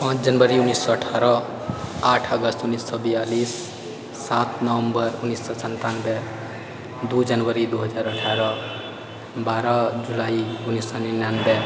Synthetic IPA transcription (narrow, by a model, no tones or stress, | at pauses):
pãt͡ʃʰd͡ʒʌnbʌɾiunːisːɔːʈʰaɾʌ | aʈʰʌɡʌst̪unisːʌbijalisː | at̪ʰnʌwʌmbʌɾunːisːʌsʌnt̪anbe | d̪ud͡ʒʌnbʌɾid̪uɦʌd͡zaɾəʈʰaɾʌ | baɾʌd͡ʒulaiunisːʌninanbe